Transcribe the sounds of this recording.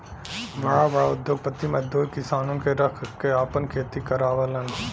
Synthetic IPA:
ʋɐɽaʋɐaʊd̪joːɡ̚pət̪ːimɐd̪uːɾkɪsaːnõnkeɾɐkʰkeaːpənkʰeːt̪ikɐɾaːʋələn

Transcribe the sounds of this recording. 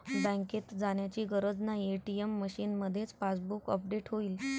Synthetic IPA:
bə̃ŋket̪d͡zaɳjat͡ɕiːɡəɾəd͡znaieʈiemːəɕiːnməd̪ʱːjet͡spasbukəp̚ɖeʈɦoiːl

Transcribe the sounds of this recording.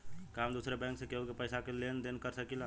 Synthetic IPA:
kamd̪usɾebɛ̃ŋksẽkeukepəjsakelend̪enkəɾsəkilã

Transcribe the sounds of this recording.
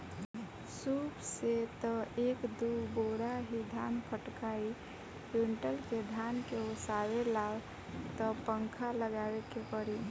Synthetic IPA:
supset̪əekd̪uboɾaɦid̪ʱanpʰəʈkai | uɳʈəlked̪ʱankeosawelab | t̪əpəŋkʰaləɡawekepəɽi

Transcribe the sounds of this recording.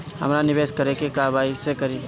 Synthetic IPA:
ɦɐ̰mɾanɪʋeːskɐɾekekaːbaːisekɐɾiː

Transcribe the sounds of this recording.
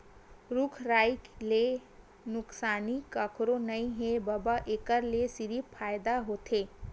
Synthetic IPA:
ɾʊkʰɾaːjkle | nʊksaːnikəkʰɾonəĩɦebəbaʔekəɾlesɪɾipʰaːjd̪aɦot̪eː

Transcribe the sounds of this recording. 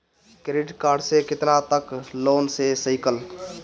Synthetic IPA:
kɾiɖkaɾɖsekɪt̪nat̪əklonsesəɪkəl

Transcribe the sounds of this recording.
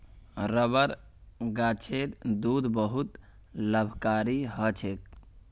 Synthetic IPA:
ɾəbəɾ | ɡat͡ʃʰeɾd̪ud̪bəɦut̪ | ləbʱkaɾiɦət͡ʃʰek̚

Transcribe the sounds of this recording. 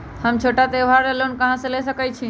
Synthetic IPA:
həmt͡ʃʰoʈat̪eʋ̤ʱaɾelonkəɦãsẽlesəkəjt͡ʃʰi

